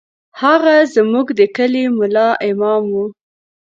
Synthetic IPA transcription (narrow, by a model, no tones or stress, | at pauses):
haɣazmuɡd̪əkəlemʊlɑʔɪmɑmwu